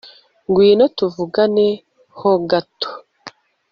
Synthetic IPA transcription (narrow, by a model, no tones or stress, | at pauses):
ŋɡwiːnotuvuɡane | hoɡato̥